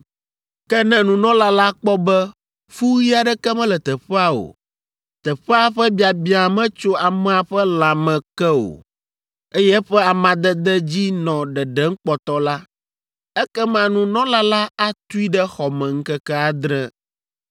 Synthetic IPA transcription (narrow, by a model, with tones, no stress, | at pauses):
kɛ˦nɛ̃˦nũ˨nɔ̃˦la˦la˦k͡pɔ˦bɛ˦ | fu˦ɣi˦a˨ɖɛ˦kɛ˦mɛ̃˦lɛ˨t̪ɛ˨ɸɛ˦a˦o̰˨ | t̪ɛ˨ɸɛ˦a˦ɸɛ˦bi˨a˨bi˨˦a˨mɛ̃˦t͡ʃo˦a˨mɛ̃˦a˨ɸɛ˦l̃ã˨mɛ̃˨kɛ˦o̰˨ | e˦jɛ˦ɸɛ˦a˨mã˨d̪ɛ˦d̪ɛ˦d͡ʑi˦nɔ̃˨ɖɛ˨ɖɛ˦ŋ̩˦k͡pɔ˨t̪ɔ˦la˦ | ɛ˦kɛ˦mã˨nũ˦nɔ̃˦la˦la˦a˦t̪u˦i˦ɖɛ˦xɔ˨mɛ̃˨ŋ̩˦kɛ˦kɛ˦a˨d̪ɾɛ˦